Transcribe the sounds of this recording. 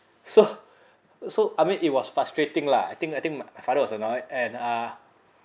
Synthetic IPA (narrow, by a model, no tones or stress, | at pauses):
so | soʔajmĩnʔit̚wɔsfastɹetĩŋlaa̰jt̪ĩŋkajt̪ĩŋmamajfadəwɔsənɔjdɛ̃nʌ